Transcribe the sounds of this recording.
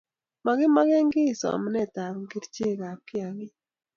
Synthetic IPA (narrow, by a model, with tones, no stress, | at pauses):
ma˨ɣe˦ma˦ɣɛ˦ŋɡɪ˦˨sɔ̰˨a̰˨ma˦nɛ˦˨ta˨βŋɡi˦ɾt͡ʃe˦˨ɣa˨kɪ˦a˨ɣɪ˦